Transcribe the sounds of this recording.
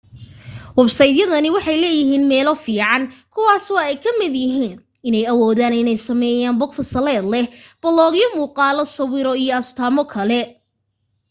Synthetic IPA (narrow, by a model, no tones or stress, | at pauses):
wɐbsɐjðjɐðɐnɪwɑħɑjlɛːjɪɦiːnmɛːlɔfiːʕɑnkʰʊwaːsɔːɛjkʰɐmɪd̪jɪɦiːn | ɪnɛjɐwɔːðaːnɪnɛjsɐmɛːjaːnbɔkfɐsɐlɛːd̪lɛhb̥ɐlɔːɣjɔmuːqɑːlɔsɐwɪɾɔijɔɐst̪ʰaːmɔkʰɐlɛ